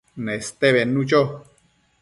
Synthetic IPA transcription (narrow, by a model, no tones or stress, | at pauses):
nest̪eβenũt͡ʃo